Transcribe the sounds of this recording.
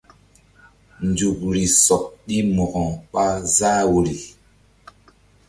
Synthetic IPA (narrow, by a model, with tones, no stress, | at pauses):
nd͡zu˨pɾi˨sɔ˨k̚ɗi˦mɔ˨ɣɔ˨ŋk͡pa˦zaː˦wu˨ɾi˨